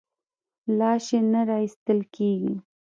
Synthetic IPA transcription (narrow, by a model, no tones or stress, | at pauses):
lɑʃenaɾɑist̪əlkʰeɡi